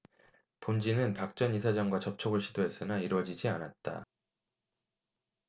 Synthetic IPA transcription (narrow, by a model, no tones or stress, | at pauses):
pond͡ʑinɯnpak̚t͡ɕ͈ʌnis̬ʰad͡ʑaŋɡwat͡ɕʌp̚t͡ɕʰʌɡɯɭɕ͈ʰidoes͈ɯnaiɾwʌd͡ʑid͡ʑianat̚t͈a̰